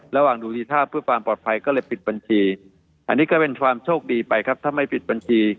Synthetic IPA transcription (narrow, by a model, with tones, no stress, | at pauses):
ɾa˧waː˨˩ŋduː˧t̪iː˧t̪ʰaː˥˩pʰɯ˥˩ɐfaː˧mpɔː˨˩t̪̚pʰa˧jkɔː˥˩lɤː˧jpi˨˩t̪̚ba˧nt͡ɕʰiː˧ | ʔa˧nːiː˦˥kɔː˥˩pe˧nkʰwaː˧mt͡ɕʰoː˥˩k̚diː˧pa˧jkʰa˦˥p̚t̪ʰaː˥˩ma˥˩jpi˨˩t̪̚ba˧nt͡ɕʰiː˧